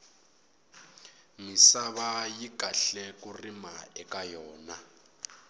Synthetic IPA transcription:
misaβajikaɬɛkurimaɛkajɔːna

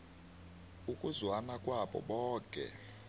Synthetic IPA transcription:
ukʼuzwanakʼwaɓɔ̰ɓɔːkʼɛ̰

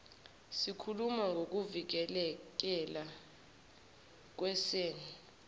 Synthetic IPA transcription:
sikʰulumaŋɡʱok̬uvik̬ɛlɛk̬ɛla | k̬wɛseːni

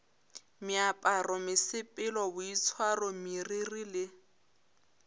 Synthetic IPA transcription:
mɪapʼarɔmɪsɪpʼɪlɔbʊit͡sʰwarɔmiririlɪ

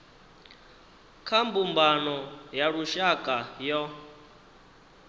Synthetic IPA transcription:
kʰambumbanɔjaɺuʃakʼajɔ

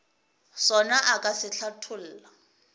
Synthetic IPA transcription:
sɔnaʔakʼasɪɬʰatʰʊl̩ːla

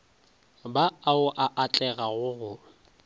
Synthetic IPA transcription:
baaʊʔaʔat͡ɬʼɛɣaɣʊɣʊ

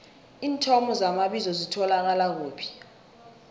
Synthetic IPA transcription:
iːntʰɔmɔzamaɓizɔzitʰɔlak̬alak̬uːpʰi̥

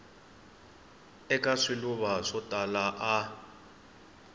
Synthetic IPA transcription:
ɛkʼaʂiluβaʂɔtʼalaʔa

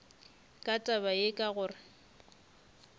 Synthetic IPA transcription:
kʼatʼabaekʼaɣʊːrɪ

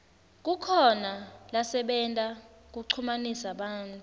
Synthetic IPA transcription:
k̬ʼukʰɔnalasɛɓɛntʼa | k̬uǀʰumanisaɓaːntʼu

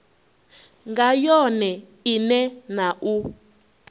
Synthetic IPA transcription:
ŋɡajɔnɛ | inɛnaʔu

